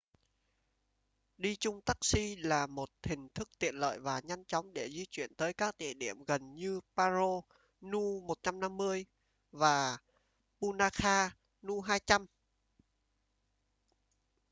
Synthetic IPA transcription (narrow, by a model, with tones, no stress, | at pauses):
ɗi˧t͡ɕʊ˧ŋ͡mt̪a˦˥k̚si˧laː˨˩mo˨˩t̚t̪ʰï˨˩ŋ̟t̪ʰɨ˦˥k̚t̪ḭ˧˨ənlə̰ː˧˨jvaː˨˩ɲa˧jŋt͡ɕɔ˨˦wŋ͡mɗe˧˩zi˧t͡ɕwi˧˨ənt̪əː˨˦jkaː˦˥k̚t̪ḭ˧˨əɗḭ˧˩əmɣə˨˩nɲɨ˧paː˧zo˧ | nu˧mo˨˩t̚t͡ɕa˧mna˧mːɨ˧əj | vaː˨˩ | pu˧naː˧xaː˧ | nu˧ɦaː˧jt͡ɕa˧m